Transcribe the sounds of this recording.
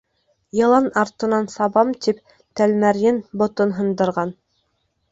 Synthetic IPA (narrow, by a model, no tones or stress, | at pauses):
jɤ̆lˠɑnɑɾt̪ɤ̆nɑnsɑβɑmt̪ip̚ | t̪ælmæɾjɘnbŏt̪ɤnɦɤ̆nd̪ɤ̆ɾʁɑn